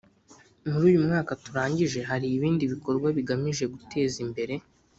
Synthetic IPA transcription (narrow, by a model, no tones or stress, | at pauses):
nuɾuːjumŋaːkatuɾaːɲɟiʒe̞ɦaɾiːβiːndiβiko̞ɾɡwaβiɡamiʒe̞ɡutʰe̞ːzimbe̞ɾe̞